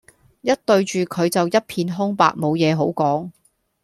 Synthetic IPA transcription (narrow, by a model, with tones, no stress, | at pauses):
jɐ˥t̚t̪ɵ˧ɥt͡ʃyː˨kʰɵ˨˧ɥt͡sɐ˨wjɐ˥t̚pʰiː˧nɦʊ˥ŋpa̰ː˧k̚mo˨˧wjɛː˨˧ɦo˨˥wkɔː˨˥ŋ